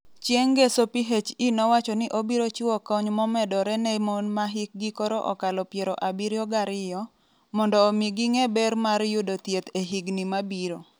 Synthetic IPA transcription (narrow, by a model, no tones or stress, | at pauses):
t͡ʃjeŋɡesopiɦet͡ʃinɔwat͡ʃɔnɪʔobiɾot͡ʃɪwɔkɔɲmɔmɛdɔɾɛnɛmonmaɦɪk̚ɡikɔɾɔʔɔ̰kalɔpjeɾɔʔabiɾjɔɡaɾɪjɔ | mɔndɔːmiɡiŋebɛɾmaɾjʊdot̪jet̪eɦiɡnimabiɾo